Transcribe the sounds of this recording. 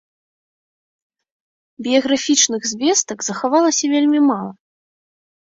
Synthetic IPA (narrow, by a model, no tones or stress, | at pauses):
bʲijɐɣɾafʲit͡ʂnɨɣzʲvʲɛst̪ɐɡzɐxavalˠɐsʲɐvʲelʲmʲimalˠɐ